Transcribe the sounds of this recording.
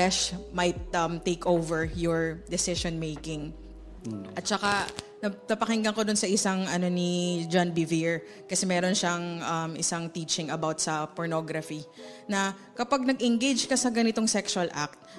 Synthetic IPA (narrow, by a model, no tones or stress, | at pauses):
fɛʃmɐjt̪̚ʔɐmt̪ejkʰowvɛɹjɔɹd̪ɛsɪʃonmejkɪŋ | ʔɐt̪̚t͡ʃɐka | nɐnɐpɐkɪŋɡɐŋko̞d̪ʊnsɐʔɪsaŋɐno̞nid͡ʒanbɪviɹ | kɐsɛmɛːɾo̞nʃaŋʔɐmʔɪsaŋt̪iːt͡ʃɪŋɐbawt̪̚sɐpɔɹnoɡɾɐfi | nɐ | kɐpaɡ̚nɐɡʔɪŋɡejd͡ʒkɐsɐɡɐnɪt̪o̞ŋsɛkʃʊɐlʔa̰k̚t̪̚